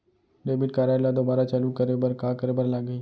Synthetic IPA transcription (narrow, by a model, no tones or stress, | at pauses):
ɖeːbɪʈkaːɾaːlad̪oːbaːɾat͡ʃalukəɾebɐɾkaːkəɾebəɾlaɡəi